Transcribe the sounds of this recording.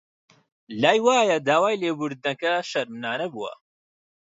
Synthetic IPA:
laːjwaːjɐd̪aːwaːjleːbuɾd̪̚nɐkɐʃɐɾmnaːnɐbuwɐ̰

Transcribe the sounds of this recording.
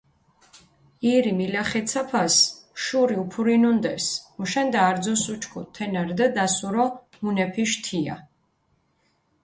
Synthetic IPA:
iɾimilaχɛt̪sʰapʰasʃuɾiupʰuɾinund̪ɛ̰ɾsmuʃɛnd̪aːɾd̪zɔsut͡ʃʰkʰut̪ʰɛnaɾd̪ad̪asuɾɔ | munɛpʰiʃt̪ʰia̰

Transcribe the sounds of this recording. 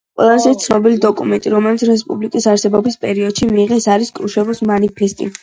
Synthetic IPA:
qʼwɛ̰lˠazɛt̪sʰnɔbilid̪ɔkʼumɛnt̪ʼiɾɔmɛlit̪sʰɾɛspʼublikʼisaɾsɛbɔbispʼɛɾiɔd̪̥ʃimiːʁɛsaɾiskʼɾuʃɛvɔsmanipʰɛst̪ʼḭ

